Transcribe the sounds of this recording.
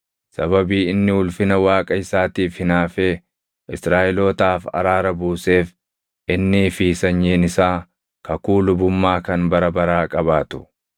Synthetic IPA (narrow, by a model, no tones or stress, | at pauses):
sɐβɐbiːɪnːɪʊlfɪnɐwaːkʼɐɪsaːt̪iːfhɪnaːfɛ | ʔɪsɾaːʔɪlo̞ːt̪aːfɐ̰ɾaːɾɐbuːse̞ːf | ʔɪnːɪfiːsɐɲːeːnɪsaː | kɐkuːlʊbʊmːaːkɐnbɐɾɐbɐɾaːkʼɐβaːt̪ʊ̥